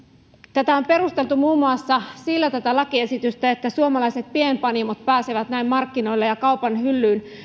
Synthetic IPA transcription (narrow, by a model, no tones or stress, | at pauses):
t̪æt̪æomperust̪e̞lt̪umuːmːuɑsːɑsilːæt̪æt̪ælɑkie̞sit̪yst̪æet̪ːæsuomɑlɑiset̪̚piempɑnimot̪̚pæːseʋæt̪næimmɑrkːino̞ilːejɑkɑupɑnhylːyːn